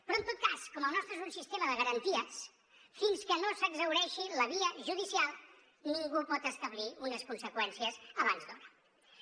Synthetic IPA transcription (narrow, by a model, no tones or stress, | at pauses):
pɾɔənt̪ot̪̚kaskɔməlˠnɔst̪ɾəezunsist̪eməðəɣəɾənt̪iəs | finskənosəɡzəwɾɛʃiləβiəʒuðisialˠ | niŋɡupɔt̪əst̪əβliunəskunsəkwɛnsiəzəβanzd̪oɾə